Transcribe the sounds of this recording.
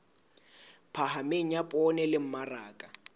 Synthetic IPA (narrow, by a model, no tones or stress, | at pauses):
pʰahameŋ̩japʼɔnɛlɪm̩maraːkʼa